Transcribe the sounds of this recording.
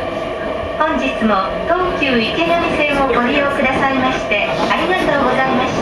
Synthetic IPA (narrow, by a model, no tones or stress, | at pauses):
hõ̞ɲ̟d͡ʑit͡sɨmo̞ | d̪̥õŋkʲɨːike̞namʲisẽ̞ɰ̃oɡo̞ɾʲijo̞ːkɯd̪asaɾemaɕi̥t̪e̞aɾʲiɡat̪o̞ːɡo̞zaimaɕi̥t̪